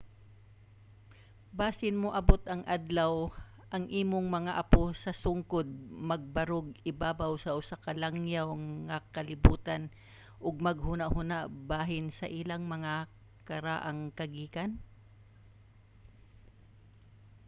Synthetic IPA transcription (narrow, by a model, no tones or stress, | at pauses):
baːsɪnmoʔɐbot̪ɐŋʔad̪law | ʔɐŋʔiːmoŋmɐŋaʔɐposɐsʊŋkod̪̚mɐɡ̚bɐɾoɡ̚ɪbaːbawsɐʔʊsakɐlaŋjawŋŋɐkɐlɪbuːt̪an | ʔʊɡ̚mɐɡɦuːnaʔhunaʔbaːɦɪnsɐʔɪlaŋmɐŋa | kɐɾa̰ːʔaŋkɐɡiːkan